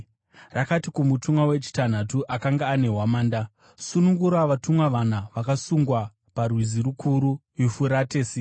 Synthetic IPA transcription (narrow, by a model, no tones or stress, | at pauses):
rakatikumutumwawe̞t͡ʃi̥tan̤atuʔakaŋɡaːne̞ɦwamaːnda | sunuŋɡuɾaʋatumwaʋan̤aʋakasuŋɡwa | parwiziɾukʰuɾuʋifuɾateːsi